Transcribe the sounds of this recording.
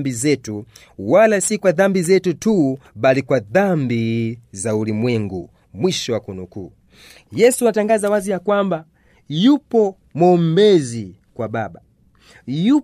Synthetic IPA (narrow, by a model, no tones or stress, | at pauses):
bizɛtu | walasikwaðambizɛtutuɓalikwaðambizaulimwɛŋɡṵ | mwiʃɔwakunukuː | jɛsuataŋɡazawazijakwamba | jupɔ | mɔmbɛzi | kwaɓaɓa | ju